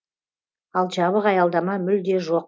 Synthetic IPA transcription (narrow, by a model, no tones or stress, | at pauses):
ɑlˠʒɑβəqɑjɑlˠd̪ɑmɑmʏld̪e̞ʒo̞q̚